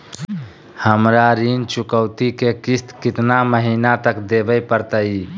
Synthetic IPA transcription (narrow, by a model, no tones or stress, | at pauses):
həmɾaɾint͡ʃʊkəʊt̪ikekɪst̪kɪt̪naməɦiːnat̪əkd̪ebəjpəɾt̪əi